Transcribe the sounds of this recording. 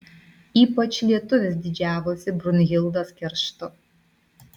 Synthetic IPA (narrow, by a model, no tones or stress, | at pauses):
iːpɐt͡ʃlʲiɛt̪ʊʋʲɛs̬d̪ʲɪd͡ʒʲæːʋosʲɪbɾʊnʲɣʲɪlˠd̪ɐskʲɛɾʃt̪ʊ